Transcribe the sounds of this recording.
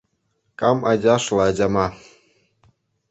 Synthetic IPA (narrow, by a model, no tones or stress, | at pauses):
kɑmɑd͡ʑʲɑʃlˠɑd͡ʑɑmɑ